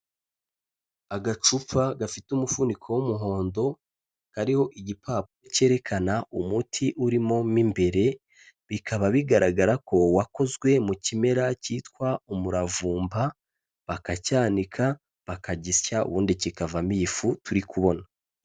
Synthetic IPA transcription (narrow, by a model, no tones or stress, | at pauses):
aɡat͡ʃup͡faɡafitumufunikʰo̞womuɦo̞ːndo̞ | kaɾiho̞ʔiɟipʰaːp̚oce̞ːɾe̞kʰanaumutʰiʔuɾimo̞mimbe̞ɾe̞ | βikʰaβaβiɡaɾaɡaɾako̞wako̞zɡwe̞mucime̞ɾaciːtkwaumuɾavuːmba | βakacaːnikʰa | βakaɟiscaṵβuːndicikavamifutuɾikuβo̞na